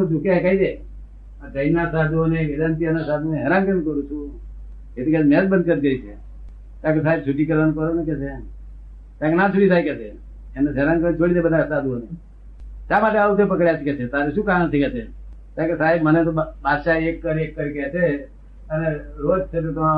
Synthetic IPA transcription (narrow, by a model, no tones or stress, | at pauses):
d͡ʒukakaid̪e | əd͡ʒəinasad̪ʱoneelant̪iənasad̪ʱuneɦɛɾankənkəɾũt͡ʃʰũ | et̪ikad͡ʒmɛd͡ʒbənd̪̚kəɾɡəit͡ʃʰe | t̪ãkesaɦeb̚t͡ʃʰuʈikəɾənkəɾonekɛt͡ʃʰe | t̪ãkenat͡ʃʰuʈisajkɛt͡ʃʰe | enəɦɛɾankənt͡ʃolid̪ebəd̪asad̪uone | t̪amaʈeaut̪epəkɾjat͡ʃʰeket͡ʃʰet̪aɾeʃũkanət̪ʰikɛt͡ʃʰe | t̪ãkesaɦebmənet̪obadʃaekːəɾekːəɾket͡ʃʰe | əneɾod͡ʒt͡ʃʰet̪ot̪əa